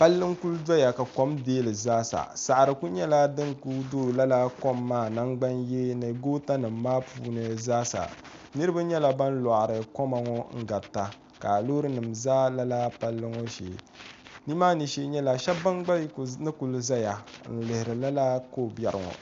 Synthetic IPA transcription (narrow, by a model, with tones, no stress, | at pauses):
pa˦lːɨ˦ŋku˦lda˦ja˨ka˨ko˦mdeː˦lɨ˨zaː˦sa̰˨sa˨ʔɾɨ˨ku˦ɲɛ˦la˦dɨ˦ŋku˦do˦˨la˦la˦kɔ˦mːaː˦˨na˦ŋɡ͡ba˦nje˦nɨ˨ɡoː˦ta˦nɨ˨mː˦aː˦puː˦nɨ˨zaː˦sa̰˨ | nɨ˦ɾɨ˦ba˦ɲɛ˦la˦ba˦n˦la˨ʔɾɨ˨kɔ˦ma˨ŋɔ˦ŋ̩˦ɡa˨tːa˨ | ka˨lo˦ɾɨ˦nɨ˨mzaː˦la˦la˦pa˦lːɨ˦ŋɔ˦ʃḛː˨ | ni˦maː˦ni˨ʃe˦ɲɛ˦la˨ʃɛ˦bba˦ŋɡ͡ba˦lknɨ˦ku˨lza˦ja˨n̩˨lɨ˨hɪ˨ɾɨ˨la˦la˦ko˦˨bɛ˨ɾɨ˨ŋɔ̰˨